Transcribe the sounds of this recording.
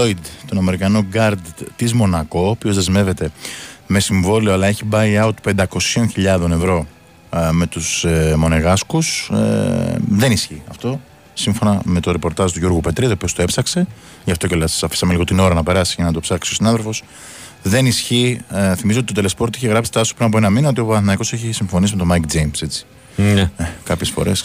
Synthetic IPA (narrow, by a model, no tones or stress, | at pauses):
oid̪t̪o̞nɐme̞ɾikɐnoɡɐɾd̪t̪izmo̞nɐko̞ːpiozðe̞zme̞ve̞t̪e̞me̞siɱvo̞lioɐlɐe̞çibɐiɐut̪pe̞nd̪ɐko̞sio̞nçiʎɐðo̞ne̞vɾo̞ | me̞t̪usmo̞neɣɐskus | ðe̞nisçiɐft̪o̞ | siɱfo̞nɐme̞t̪o̞ɾepo̞ɾt̪ɐzt̪uʝoɾɣupe̞t̪ɾit̪opio̞st̪oe̞psɐkse̞ | ʝɐft̪o̞celɐssɐfi̥sɐmeliɣo̞t̪ino̞ɾɐnɐpe̞ɾɐsiʝɐnɐt̪opsɐksiosinɐðe̞ɾfo̞s | ðe̞nisçiθimizeot̪it̪t̪ele̞spo̞ɾt̪içe̞ɣɾɐpfsist̪ɐsu̥pɾinɐp̬oenɐminot̪io̞pɐnθinɐiko̞seçisiɱfo̞nisime̞t̪o̞mɐkd͡zejmse̞t͡si̥ | ekɐpçesfo̞̰ɾe̞s